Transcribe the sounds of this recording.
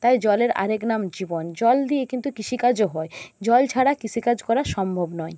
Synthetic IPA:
t̪ajd͡ʑɔleɾa̰ɾeknamd͡ʑibond͡ʑɔld̪iekint̪ukiʃʰikad͡ʑoɦɔed͡ʑɔlt͡ɕʰaɽakiʃʰikad͡ʑkɔɾaɾʃɔmbʱobnɔe

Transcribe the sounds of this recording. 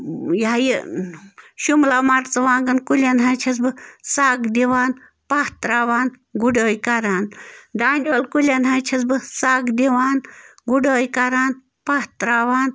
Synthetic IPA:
jaji | ʃumlaːmɐʈt͡sɨʋãːŋɡɐnkulʲɐnɦaːt͡ʃʰɐsbɨsaːɡd̪iʋaːn | pɐht̪ɾaːʋaːn | ɡuɖoːjkɐɾaːnd̪aːndʲoːlkulʲɐnɦat͡ʃʰɐsbɨsaːɡd̪iʋaːnɡuɖoːjkɐɾaːn | pɐht̪ɾaːʋaːn

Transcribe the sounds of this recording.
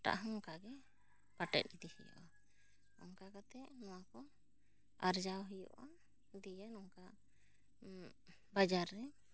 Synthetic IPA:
ʈa̰ʔɦɔ̃ŋkaɡɛ | paʈɛ̰t̪̚ˀid̪ihijɔ̰ʔa | ɔ̰ŋkakat̪ɛʔnɔwakɔ | aɾd͡ʒawɦujɔ̰ʔa | d̪ijənɔŋka | bad͡ʒaɾːɛ

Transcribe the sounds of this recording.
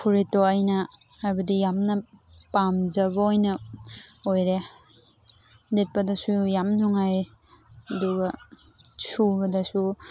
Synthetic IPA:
pʰuɾitoajnɐ | aɾbɐdijamnɐ | pamd͡ʒɐβɐojnɐ | ojɾe | det̚pɐdɐsujamnuŋaj | ɐduɡɐ | subɐdɐsu

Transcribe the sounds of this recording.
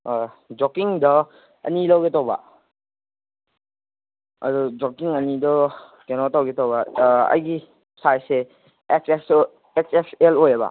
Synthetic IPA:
d͡ʒokiŋdɐ | ɐ̰nilawɡetawbɐ̰ | ɐ̰dud͡ʒokiŋɐnidɔ | kenɔtawɡetawbɐɐ̰jɡi | sajse | ekses | eksekselojɐbɐ̰

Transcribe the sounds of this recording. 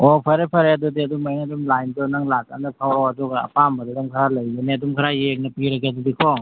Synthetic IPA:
ɔpʰɐɾepʰɐɾeɐdɔdiɐdumajŋɐdumlajndɔnaŋlaka̰ndakʰawɾawadɔɡaɐ̰pambadɔdaŋkʰaɾalɐjɡaneɐdumkʰaɾajek̚nɐpiɾɐɡeɐdudikʰɔ

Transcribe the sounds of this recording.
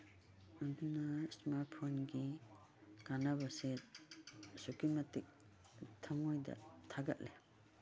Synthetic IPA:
und̪unasmaɾt̚pʰonɡi | kanabase | sukimatik̚ | t̪ʰaŋɔjd̪a̰t̪ʰaɡa̰t̚le

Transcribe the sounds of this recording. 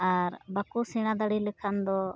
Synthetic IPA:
aɾbakusiɽ̃ãd̪aɽiləkʰand̪ɔ

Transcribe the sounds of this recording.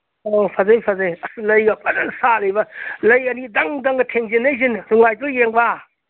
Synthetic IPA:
opʰɐzɐjpʰɐzɐjɐslɐjɡɐpʰɐdɐŋsalɐjbɐlɐjɐnidɐŋdɐŋɡɐtʰeŋzinɐjzinɾuŋajtujeŋba

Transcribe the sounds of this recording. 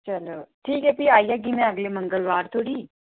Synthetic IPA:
t͡ʃɐloːʈʰiːkɦɛpiaːijaɡimɛ̃ɐɡlemɐ̃ŋɡəlʋaːɾt̪ʰoːɽiː

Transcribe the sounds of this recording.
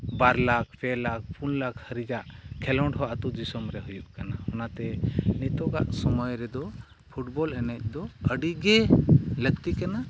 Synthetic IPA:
baɾlak̚pʰɛlak̚pʰunlakhəɾid͡ʒaʔkʰɛlɔɳʈɦɔʔat̪ud͡ʒisɔmɾɛɦujuʔkanahɔnat̪ɛnit̪ɔɡa̰ʔsɔmɔjɾɛd̪ɔ | pʰuʈbɔlɛnɛc̚ˀd̪ɔəɖiɡɛləɡ̚t̪ikana

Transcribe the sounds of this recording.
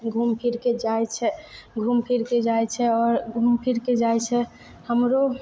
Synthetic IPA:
ɡʱumpʰiɾked͡ʒajt͡ʃʰɛɡʱumpʰiɾked͡ʒajt͡ʃʰɛɔːɾɡʱumpʰiɾked͡ʒajt͡ʃʰɛ | həmɾo

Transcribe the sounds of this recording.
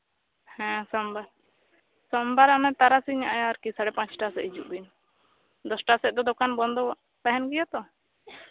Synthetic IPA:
hɛ̃sɔmbaɾ | sɔmbaɾamɛt̪aɾasiɲaʔajaɾkisaɽɛpãt͡ʃʈasɛʔid͡ʒuʔbin | d̪ɔsʈasɛʔ̚d̪ɔd̪ɔkanbɔnd̪ɔwaʔ | t̪aɦɛnɡijat̪ɔ

